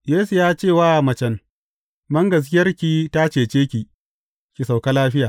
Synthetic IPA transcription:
jeː˦su˨jaː˦t͡ʃeː˦˨waː˦˨mɐ˨t͡ʃɛ˨n | bɐ˦ŋɡɐ˨s̬kʲɪ˦jɐ˦rkʲi˨ta˦t͡ʃeː˨t͡ʃeː˦kʲiː˨ | kʲi˨sa˨wka˦laː˦ɸɪ˦jaː˨

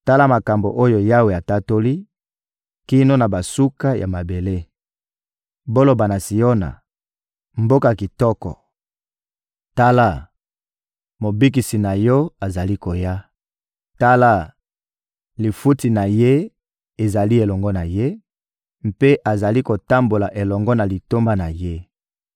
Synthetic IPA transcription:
ta˦la˦ma˨ka˨mbo˨ʔo˦jo˨ja˦we˨a˨ta˦to˦li˦ | ki˦no˦na˨ba˨su˦ka˦ja̰˨ma˨be˨le˦ | bo˦lo˨ba˨na˨si˨jo˦na̰˨ | m̩bo˦ka˨ki˨tɔ˦kɔ̰˨ | ta˦la˦ | mo˨bi˦k̬i˨si˨na˨jɔ˦a˨za˨li˦ko˨ja˦ | ta˦la˦˨ | li˨fu˦ti˨na˨je˦ | e˨za˨li˦e˨lɔ˨ŋɡɔ˦na˨je˦ | mpe˦ʔa˨za˨li˦ko˨ta˦mbo˨la˨ʔe˨lɔ˨ŋɡɔ˦na˨li˨to˦mba˦na˨je˦

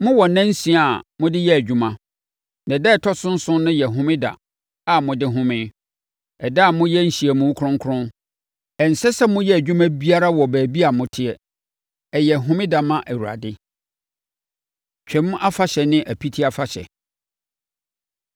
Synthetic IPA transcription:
mʊ̃˦wɔ˨nã˦n̩˦sĩ˨˦a˨mʊ̃˦dɪ˦jɛ˦æ˨d͡ʑᶣu˦mã˨ | nã˨dɛ˦˨tʰɔ˦sʊ̃˦n̩˦sʊ̃˦nʊ̃˦jɛ˨ɦʊ̃˦mɪ̃˦da̰˨ | a˨mʊ̃˨dɪ˦ɦʊ̃˦mɪ̃˦ | ɛ˨da˦˨mʊ̃˦jɛ˦n̩˨ɕi˨ɛ˨mʊ̃˨˦kʰʊ̃˦ŋ˦kʰʊ˦ɾʊ̃˦n | ɛ˨n̩˨sɛ˦sɛ˦mʊ̃˦jɛ˦æ˨d͡ʑᶣũ˦mã˦bi˦a˦ɾa˦wɔ˨bæː˨bi˦a˨mʊ̃˦tʰɪ˦ɛ˨ | ɛ˨jɛ˨ɦʊ̃˦mɪ̃˦da˨mã˦ʔæ˨wu˨ɾa̰˨dɪ˦ | t͡ɕᶣʰɛ̃˨˦m̃˦a˦fa˦ɕɛ˨nɪ̃˦ʔæ˨pʰi˦tʰi˦a˨fa˨ɕɛ̰˨

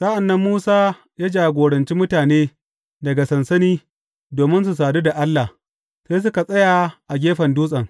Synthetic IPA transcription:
sa˦ʔa˨nːɐ˦mːuː˦saː˦ | jaː˦d͡ʒaː˨ɡʷoː˨ɽɐ˨nt͡ʃi˦mʊ˦taː˨neː˦ | dɐ˨ɡa˨sɐ˨nsɐ˦niː˦ | doː˨mɪ˦ns̬u˨saː˨du˦da˨ʔa˦lːa˨ | seː˦s̬ʊ˦ka˨sʼɐ˦ja˨ʔa˨ɡʲeː˦ɸɐ˨nduː˦sʼɐ˨ŋ

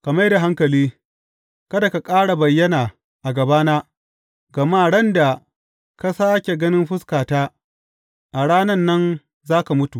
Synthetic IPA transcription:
kɐ˨ma˦jda˨ɦa˦ŋkɐ˨liː˦ | kɐ˦da˨ka˨kʼaː˦ɽa˨bɐ˨jːɐ˦naː˨ | ʔa˨ɡɐ˨baː˦naː˦ | ɡɐ˨maː˦˨ɽɐ˦nda˨ | ka˦saː˦kʲe˨ɡɐ˦nɪ˦mɸʊ˦skaː˨taː˦ | ʔa˨ɽaː˦nɐ˦nːɐ˦n | zaː˦ka˨mʊ˦tu˨

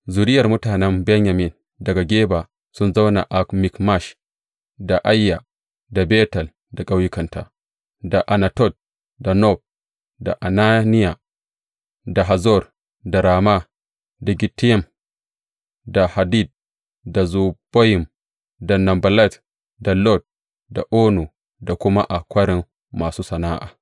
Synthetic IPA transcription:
zu˨ɾɪ˦jɐ˨rmʊ˦taː˨nɛ˦mbɛ˦nja˨mi˨n | dɐ˨ɡa˨ɡʲeː˦ba˨ | sʊ˦nza˦wna̰˨ʔa˨kmi˨kma˦˨ʃ | da˨ʔa˦jːa˨ | da˨beː˦tɐ˨l | da˨kʼa˦wji˦kɐ˨nta̰˨ | da˨ʔa˨na˨tɔ˦˨t̚ | da˨nɔ˦˨b̚ | da̰˨ʔa˨na˦ni˦ja˨ | da˨ɦa˨zɔ˦˨r | da˨ɾaː˨ma˦ | da˨ɡʲɪ˨tːjɐ˦˨m | da˨ha˨di˦˨d̚ | da˨zu˨b̥o˦jɪ˨m | da˨nɐ˨mbɐ˨lɛ˦˨t | da˨lɔ˦˨t̚ | da˨ʔoː˦nu˨ | da˨kʷʊ˦ma˦ʔa˨kʷɐ˦ɾɪ˨mː | aː˨suː˦sɐ˨na˦ʔa̰ː˨

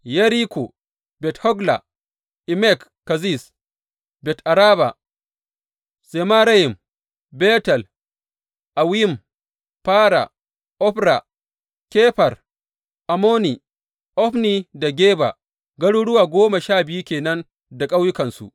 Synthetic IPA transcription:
jɐ˦ɾi˦kʷo˨ | bɛ˨thɔ˦ɡla̰˨ | ʔɪ˨mɛ˦˨k | kːa˨zi˦˨s | bɛ˨tʔa˨ɾaː˦ba̰˨ | se˨ma˦ɾa˦jɪ˨m | bɛː˦tɐ˨l | ʔa˨wi˦˨m | paː˦ɾa̰˨ | ʔɔ˦ɸɾa˨ | kʲeː˦ɸɐ˨r | ʔa˨moː˦ni˨ | ʔɔ˦ɸni˦da˨ɡʲeː˦ba̰˨ | ɡɐ˦ɽu˦ɽʊ˦waː˨ɡʷoː˦ma˨ʃaː˦˨bɪ˨ju˦kʲeː˨nɐ˦n | da˨kʼa˦wjʊ˦kɐ˨nsṵ˨ʔ

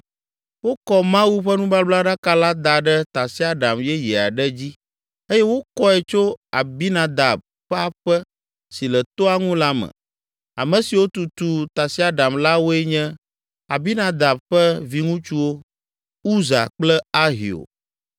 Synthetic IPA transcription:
wo˦kɔ˦mã˦wu˦ɸɛ˦nũ˦ba˦bla˦ɖa˦ka˦la˦d̪a˨ɖɛ˦t̪a˨si˦a˦ɖa˨mjɛ˦jɛ˨a˨ɖɛ˦d͡ʑi˦ | e˦jɛ˦wo˦kɔ˦ɛ˨t͡ʃo˦a˨bi˦nã˨d̪a˨b̚ | ɸɛ˦a˦ɸɛ˦ | si˨lɛ˨t̪o˦a˦ŋũ˦la˦mɛ̰̃˨ | a̰˨mɛ̃˨si˨wo˦t̪u˨t̪u˨t̪a˨si˦a˦ɖa˨mla˦wo˦ɛ˦ɲɛ̃˦ | a̰˨bi˦nã˨d̪a˨b̚ɸɛ˦vi˦ŋũ˦t͡ʃu˦wo˦ | u˦za̰˨k͡plɛ˦a˦ɦḭ˨o̰˨

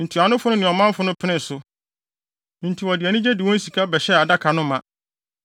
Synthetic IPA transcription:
n̩˨tʰi˨a˨nʊ̃˦fʊ˦nʊ̃˦nɪ̃˨ɔ˨mã˦m˦fʊ˦nʊ̃˦pʰɪ˦nɪ̃˨sʊ˨ | n̩˨tʰi˨wɔ˨dɪ˨ɛ˨nɪ̃˦d͡ʑɛ˦di˨wɔ̃˦n̩˦si˨kʰa˦bɛ˨ɕɛ˦a˨da˦kʰa˨nʊ̃˦mã˦˨

